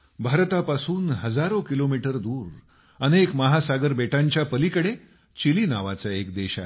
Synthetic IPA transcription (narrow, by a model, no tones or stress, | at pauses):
bʱaɾt̪apasuːnɦəd͡zaɾokilomiʈəɾd̪uːɾ | ənekməɦasaɡəɾbeʈãɲt͡ɕjapəlikəɽe | t͡ɕilinaʋa̰t͡saek̚d̪eɕa̰